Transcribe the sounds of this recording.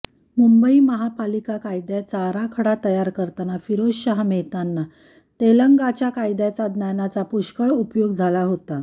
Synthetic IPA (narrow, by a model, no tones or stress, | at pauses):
mumbəiməɦapalikakajd̪jat͡saɾakʰəɽat̪əjaɾkəɾt̪anafiɾosɕaɦmeɦt̪anːa | t̪eləŋɡat͡ɕjakajd̪jat͡sad̪nanat͡sapuɕkəɭupjoɡd͡zʱalaɦot̪a